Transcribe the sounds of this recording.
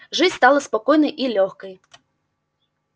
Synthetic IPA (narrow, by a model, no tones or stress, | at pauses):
ʐɨt͡sʲst̪alˠɐspakɔjnɐjʔilʲɔxkɐj